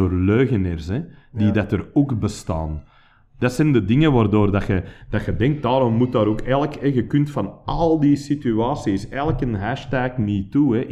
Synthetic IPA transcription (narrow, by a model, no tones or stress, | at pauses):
oːrløːɣənərsɛdidɑtəroːkbəstɑ̰ːn | d̥ɑtsɛndədɪŋəʋaːrdoːrdɑxəd̥ɑxədɛŋk̚t̚daːɾɔmːut̚daːɾoːkɛləkɛɣəkʏntfɑnɑlˠdisityaːsisɛləkənɦæːʃtɛːkniːtuɛ